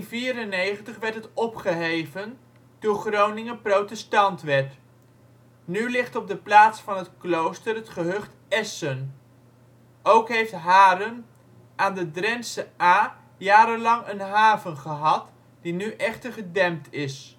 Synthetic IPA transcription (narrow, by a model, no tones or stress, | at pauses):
nviːɾənejχəntəχʋɛɹtɦətɔpχəɦejvən | d̥ʊːɹχrownɪŋənprowtɛstɑntʋɛɹt | nylɪχtɔb̚dəplaːtsfɑnɦətklowstərətχəɦɵχt | ɛsən | ʔowkɦejftɦaːɾən | ʔaːndədrɛnsəaː | jaːɾəlɑŋənɦaːvənχəɦɑt | d̥inyʔɛχtəɹχədɛmtʰɪs